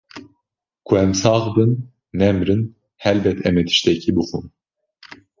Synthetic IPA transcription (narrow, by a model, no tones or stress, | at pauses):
kʰuɛmsɑːʁbɨnː | ɛmɾɨn | hɛlbɛt̪ʰɛmɛt̪ʰi̥ʃt̪ʰɛcʰibuχum